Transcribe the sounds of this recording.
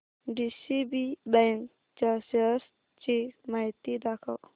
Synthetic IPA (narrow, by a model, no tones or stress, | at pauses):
ɖisibibɛŋk | t͡ʃasəs | t͡ʃimajt̪id̪akʰaw